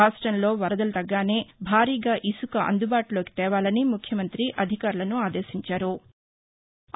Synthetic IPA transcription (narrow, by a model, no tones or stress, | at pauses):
aːsʈɾɐnlo̞ːʋɐɾɐd̪ɐlɐt̪ɐɡːaːne̞ːbʱaːɾiːɡaːʔisukɐʔɐ̰nd̪ubaːʈulo̞ːki̥t̪ɛːʋaːlɐnimukʰjɐmɐnt̪ɾiʔɐd̪ʱikaːɾulɐnuaːd̪eːʃiɲt͡ʃaːɾu